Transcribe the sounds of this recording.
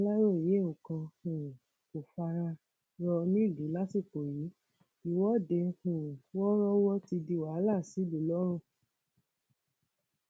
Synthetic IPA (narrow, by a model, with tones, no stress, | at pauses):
la˦ɾo˦˨je˨˦˨ũ˨kã˧hũ˨ | ko˨fa˧ɾa˧ | ɾɔ˧nĩ˦˨li˨˦la˦ti˦˨k͡po˨ji˨˦ | i˨˦wɔ˦de˧˦hũ˨wɔ˦ɾɔ˦wɔ˦ti˧di˧wa˨˦la˦˨si˨˦lu˨˦lɔ˦ɾ̃ũ˦˨